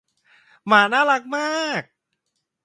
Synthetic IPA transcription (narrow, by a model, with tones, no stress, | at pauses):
maː˨˩˦naː˥˩la˦˥k̚maː˥˩k̚